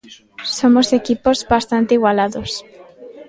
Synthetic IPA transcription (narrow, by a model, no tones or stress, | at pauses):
somosekipozβast̪ant̪eiɣwalaðos